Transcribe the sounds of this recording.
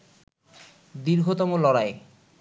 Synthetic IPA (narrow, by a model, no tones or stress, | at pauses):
d̪iɾɡʱot̪ɔmolɔɾae